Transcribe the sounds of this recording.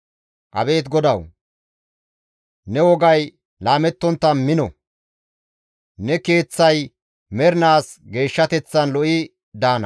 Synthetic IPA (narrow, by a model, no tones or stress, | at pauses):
ʔɐ̰be̞ːt̪ɡɔd̪ɐw | nɛwɔɡɐj | laːmɛt̪ːɔnt̪ːɐnmɪnɔ̰ | nɛke̞ːt͡sːɐj | mɛɾnaːs | ɡe̞ːʃːɐt̪ɛt͡sːɐnlɔʔɪ | d̪aːnɐ̰